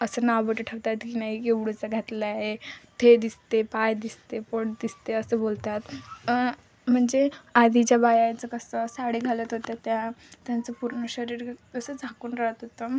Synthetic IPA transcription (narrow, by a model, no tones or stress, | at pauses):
əsənawbəʈəʈʰəʋt̪at̪kiːnaɦikeʋɽut͡saɡʱat̪ləaɦet̪ʰed̪ist̪epajd̪ist̪epoɽd̪ist̪eəsəbolt̪at̪ | m̤əɳd͡zead̪ʱit͡ɕjabajajt͡səkəsəsaɽiːɡʱalət̪ɦot̪at̪jat̪jant͡səpuɾnəɕəɾiːɾkəsəd͡zʱakuːnɾaɦət̪ɦot̪ə